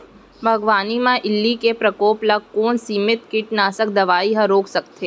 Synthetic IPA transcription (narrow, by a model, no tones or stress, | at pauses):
bʱɐɡʋaːnimãʔɪlːikepɾɐkoːplɐɡ̚koːnsiːmɪt̪kɪʈnaːsək̚d̪ɐʋaːiɦɐ̃ɾoːksɐk̚t̪ʰeː